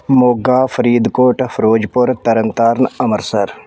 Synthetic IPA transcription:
moːɡaːfʰɐɾiːd̪koːʈfʰɾoːd͡ʒpʊɾt̪ɐɾənt̪aːɾnɐməɾsɐɾ

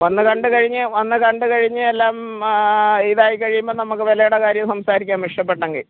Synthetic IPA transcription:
ʋɐnːɨkɐɳɖɨkɐɻiɲːɨʋɐnːɨkɐɳɖɨkɐɻiɲːɨelːaːm | iðaːjikɐɻijumboːɭnɐmukːɨʋɐlɐjuɽɐkaːɾjɐmsɐmsaːɾikʲːaːnʋiʂʈɐp̬ːe̞ʈːɐŋɡḭɭ

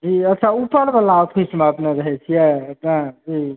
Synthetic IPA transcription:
d͡ʒiətːʃʰaupəɾbəlaopʰismeəpneɾəɦɛt͡ʃʰijɛəpnad͡ʒi

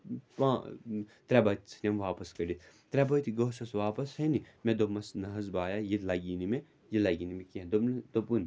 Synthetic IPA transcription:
pãːt̪ɾɛbɐt̪ʲt͡sʰi̥nʲɐmʋaːpɐskɐɖit̪ʰ | t̪ɾɛbɐt̪iɡoːsɐsʋaːpɐshɐnimed̪omɐsnɐɦɐzbaːjajilɐɡiːnime | jilɐɡinimekĩd̪od̪opun

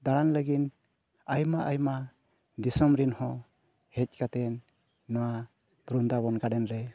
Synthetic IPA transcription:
d̪aɽanləɡin | ajmaʔajma | d̪isɔmɾinhɔ | hɛc̚ˀkat̪ɛnː | ɔwa | bɾund̪abɔnɡadɛnɾɛ

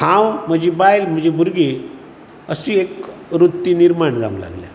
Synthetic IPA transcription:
kʰãwm̤əd͡ʑibajlm̤əd͡ʑibʱuɾɡi | əsiekɾut̪ːiniɾmaɳd͡za̰mla̰ɡlja̰

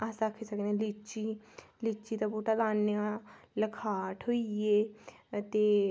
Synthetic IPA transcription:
aːsaːkʰesəknẽlit͡ʃiːliːt͡ʃːiːt̪abuʈalaːnjãləkʰaːʈʰɦoːieːt̪eː

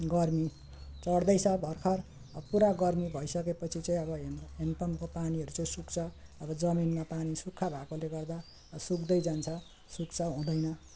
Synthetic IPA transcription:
ɡʌrmi | t͡sʌɽd̪ʌjt͡sʰʌbʱʌrkʰʌr | ʌpuɾaɡʌrmibʱʌjsʌkepʌt͡sʰit͡sʌĩʌβʌempʌmkopaniɦʌɾut͡sʌĩsukt͡sʰʌːbʌd͡zʌminmapanisukʰːabʱakoleɡʌrd̪a | sukd̪ʌjd͡zant͡sʰʌ | sukt͡sʰʌɦũd̪ʌjnʌ

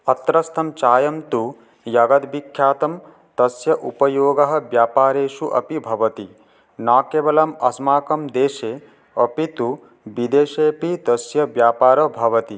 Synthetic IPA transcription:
ɐt̪ɾɐst̪ʰɐmt͡ʃaːjɐmt̪u | jɐɡɐd̪bikʰːjaːt̪ɐm | t̪ɐsjɐʔupɐjoːɡɐɦɐ̆ʋjaːpaːɾeːʃuʔɐ̰pibʱɐʋɐt̪i | naːkeːʋɐlɐmɐsmaːkɐmd̪eːʃeː | ɐpit̪u | ʋid̪eːʃeːpit̪ɐsjɐʋjaːpaːɾɐbʱɐʋɐt̪i

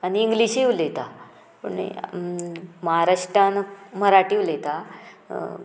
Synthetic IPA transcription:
aniːŋɡliɕiʋlet̪a | pə̰ɳḛ | məɦaɾaɕʈɾanməɾaʈiːʋlet̪a

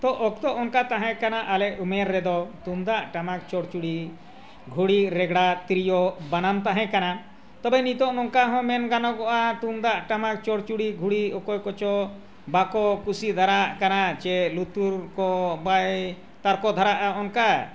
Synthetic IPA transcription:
t̪ɔʔɔkt̪ɔʔɔnkat̪aɦɛ̃kanaʔalɛʔumɛɾːɛd̪ɔt̪und̪aʔʈamak̚t͡ʃɔɽt͡ʃuɽi | ɡʱuɽiɾɛɡɽat̪ɾijɔbanamt̪aɦɛ̃kana | t̪ɔbɛnit̪ɔʔnɔŋkaɦɔ̃mɛnɡanɔɡɔʔat̪umd̪aʔʈamak̚t͡ʃɔɽt͡ʃuɽiɡʱuɽiɔkɔjkɔt͡ʃɔ | bakɔkusid̪ʱaɾaʔkanat͡ʃɛlut̪uɾkɔbaj | t̪aɾkɔd̪ʱaɾaʔaɔnka

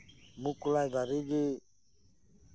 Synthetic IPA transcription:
mukulajd̪aɾiɡi

